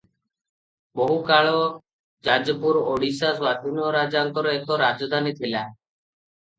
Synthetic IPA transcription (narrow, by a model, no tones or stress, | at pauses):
boɦukaɭɔ | d͡ʒad͡ʒɔpuɾoɽisaswad̪ʱinoɾad͡ʒaŋkɔɾoɛkɔɾad͡ʒɔd̪ʱanit̪ʰela